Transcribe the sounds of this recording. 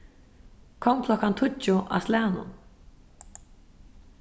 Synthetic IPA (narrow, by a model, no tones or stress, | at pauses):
kʰɔŋkʰlɔkant̪ʰʊt͡ʃʊʔa̰slɛːnʊ̰n